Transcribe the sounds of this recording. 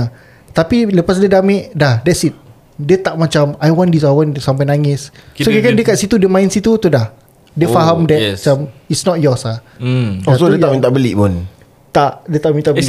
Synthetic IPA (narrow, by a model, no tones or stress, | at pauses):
t̪apiləpas̬diədamɪ̃ʔdahdɛtsit̪̚ | dət̪aʔmat͡ʃamajwɔ̃ndis̬ajwɔ̃nsamp̬ajnaŋɪsokakandəkat̪̚sit̪udəmãĩnsit̪ut̪udah | dəfaɦamdɛt̚at͡ʃamitsnɔt̚jɔsa | ɔsodəaʔmĩnt̪aʔbəliʔpʊn | t̪aʔdət̪aʔmint̪ab